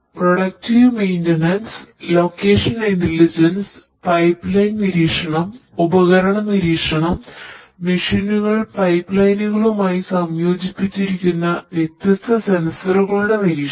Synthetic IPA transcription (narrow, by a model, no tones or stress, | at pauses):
proɽɐk̚tiʋmejndɐnɐnslo̞ːkːeːʂɐnintelid͡ʑɐns | pɐjpːlɐjnniɾiːkʂɐɳɐmubɐɣɐɾɐɳɐmniɾiːkʂɐɳɐm | miʂinːuɣɐɭpɐjpːlɐjnuɣɐɭumaːjisɐmjo̞ːd͡ʑipːit͡ɕːiɾikʲːunːɐʋjet̪jɐst̪ʰɐse̞nsɐruɣɐɭuɽe̞niɾiːʂ